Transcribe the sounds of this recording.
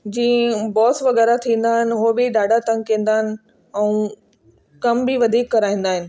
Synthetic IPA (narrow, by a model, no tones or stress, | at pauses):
d͡ʑĩːbɔːsʋɐɣɛːɾat̪ʰĩːn̆d̪aːɦɪnɪ̆ɦobiɗaːɖʱat̪ɐ̃ŋkẽːnd̪aːɦɪnɪ̆ | ɛ̃ũ | kɐmbʱiʋɐd̪ʱiːkːɐɾaːĩːn̆d̪aːɦɪnɪ̆